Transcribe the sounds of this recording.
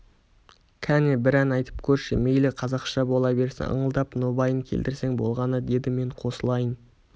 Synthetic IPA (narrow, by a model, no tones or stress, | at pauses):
kʲʰænebɪɾænɑjt̪ə̥p̚kʲʰɵɾʃḛme̞jlɪqʰɑzɑqʃɑbo̞lˠɑbe̞ɾsɪ̰ə̰ɴəlˠd̪ɑpnobɑjəŋkʲʰe̞̰ld̪ɪɾse̞ŋbo̞̰lˠʁɑnəd̪e̞d̪ɪme̞ɴqʰo̞səlˠɑjən